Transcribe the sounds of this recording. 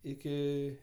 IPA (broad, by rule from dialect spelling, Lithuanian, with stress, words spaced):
ˈɪkʲɪ